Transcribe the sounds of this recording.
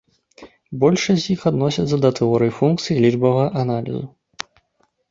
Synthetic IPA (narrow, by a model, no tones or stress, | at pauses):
bɔlʲʂɐzʲjixad̪nɔsʲit̪sɐd̪ɐt̪ɨɔɾɨjfunk̚t̪sɨjilʲid͡ʐbɐvɐɣɐʔanalʲḭzu